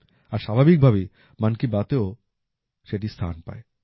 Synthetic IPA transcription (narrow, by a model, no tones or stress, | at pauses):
aɾʃabʱabik̚bʱabe | mankibat̪eo | ʃeʈist̪ʰa̰npa̰e